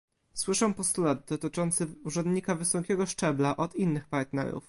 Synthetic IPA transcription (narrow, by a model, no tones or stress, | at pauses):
swɘʂɔw̃pɔst̪ulad̪̚d̪ɔt̪ɘt͡ʂɔnt̪sɘuʐɛnd̪ɲikavɘsɔkʲɛɡɔʂt͡ʂɛblaʔɔt̪inːɘxpaɾt̪nɛ̰ɾṵf